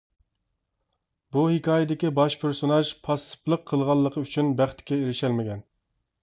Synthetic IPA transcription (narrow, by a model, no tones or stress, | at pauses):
buhɪkʰɑːjɪd̪ɪkʲibɑʃpʰeɾsonɑʒpʰɑsɨ̥plˠəqʰːəlˠʁɑlˠːəqʰəyt͡ʃʰynbæχt̪ʰɪ̥kʲːɛeɾɪʃɛlmɪɡʲʰɛn